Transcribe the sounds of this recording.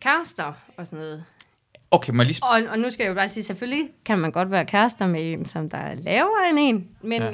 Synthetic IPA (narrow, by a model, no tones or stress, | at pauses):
kʰæsd̥ɐ | ɒ̽sɔnoːð̩ˠ | oʊkʰemenlisɒ̽ɒ̽nusɡ̥æjob̥ɑ̈ːsiːseføllikʰænmænɡ̥ɒ̽d̥ʋæːɐkʰæsd̥ɐmee̝̰ːnsɒ̽md̥ɑ̈lɛːʊɐene̝̰ːnmen